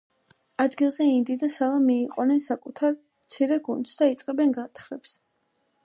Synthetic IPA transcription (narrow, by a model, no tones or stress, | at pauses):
ad̪ɡilˠzɛind̪id̪asalamːiːqʼɔnɛnsakʼut̪ʰaɾ | mt̪sʰiɾɛɡund̪sd̪ait̪sʼqʼɛbɛnɡat̪ʰχɾɛps